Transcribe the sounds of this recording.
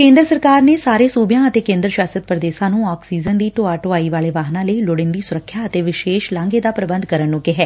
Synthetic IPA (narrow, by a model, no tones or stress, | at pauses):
kẽːnd̪ɾəsəɾkaːɾneːsaːɾeːsuːbjãːət̪eːkẽːnd̪ɾəʃaːsət̪̚pɾəd̪eːsãːnũːɔːksiːzənd̪iːʈoaːʈoaːiːʋaːleːʋaːɦnãːləilʊɽɪnd̪iːsʊɾəkʰːjaːət̪eːʋɪʃeːʃlãːŋɡeːd̪aːpɾəbənd̪kəɾənːũːkɪɦɛː